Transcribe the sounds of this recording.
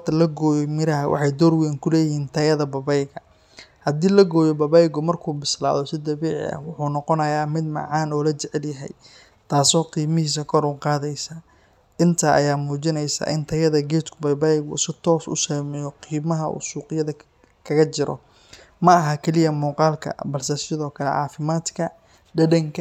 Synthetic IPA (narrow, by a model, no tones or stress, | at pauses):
t̪ʰɐlɐɡɔːjɔmɪɾɐɦɐwʔɑ̰ħɑjd̪ɔrwɛːŋkʰʊlɛːjɪhiːnt̪ʰɐjɐðɐbɐbɛjɣɐ | hɐd̪iːlɐɡɔːjɔbɐbɛjɡɔmɐrkʰuːbɪsla̰ːðɔsɪd̪ɐβiːʕɪ̰ɐ̰wʊħuːnɔqɔnɐjaːmɪd̪mɐ̰ʕɑːnɔːlɐt͡ʃɛʕɛljɐɦɛ̰j | t̪ʰaːsɔːqiːmɪhiːs̬ɐkʰɔɾuːqɑːðɛjsaː | ʔɪnt̪ʰaːʔɐjaːmuːt͡ʃɪnɛjsa̰ːʔɪnt̪ʰɐjɐðɐɡɛːt̪kʰʊbɐbɐjɡʊ̰sɪt̪ʰɔːsʊ̰saːmɛːjɔqiːmɐɦɐṵːsuːqɪjɐðɐ | kʰɐɣɐt͡ʃɪɾɔ̰ | mɐɐɦɐkʰɛlɪjɐmuːqɑːlkʰɐ̰bɐlsɛsɪðɔːkʰɐlɛ̰ʕɑ̰ːfɪmaːd̪kʰɐ | ɖɐɖɐŋkʰ